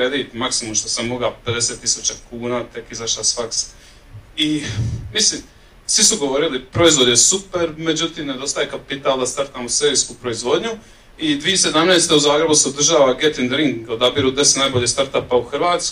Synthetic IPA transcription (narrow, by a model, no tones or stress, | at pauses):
ɾed̪iːt̪maksimumʃt̪o̞samːoɡape̞d̪e̞set̪ːisut͡ɕakuːnaːt̪e̞kizaʃlasfaks | imisliːm | sʋisuɡo̞ʋo̞ɾilipɾoizʋo̞d̪ɲesupe̞ɾme̞d͡ʒut̪iːmned̪o̞st̪ajekapit̪aːlˠd̪ast̪aɾt̪amuseeskupɾo̞izʋo̞d̪ɲu | id̪ʋijese̞d̪amneːst̪e̞uzaːɡɾe̞buseud̪r̩ʒaːʋaɡet̪ind̪ɾiŋɡod̪abiɾud̪esenaːjbo̞ʎest̪aɾt̪apauxɾʋaːt̪sk